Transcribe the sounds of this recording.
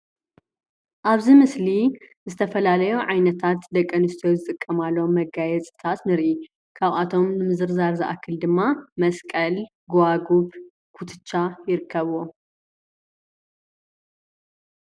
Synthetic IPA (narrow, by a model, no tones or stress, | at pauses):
ʔaβzimɨsli | zɨt̪ʰɐfɐlalɐjuʕajnɐt̪ʰat̪d̪ɐkʼːɐnɨst̪ʰjozɨt̪ʼɨkʼːɐmalːɐomːɐɡajɛt͡sʼɨt̪ʰat̪nɨɾʔi | kʰaβʔat̪ʰo̞mnɨmɨzɨɾzaɾzɐʔa̰kʰːɨld̪ɨmːamɐskʼɐl | ɡaɡuβ | kʰut̪ʰɨ̥t͡ʃʼːajɪɾɨkʰːɐβuwo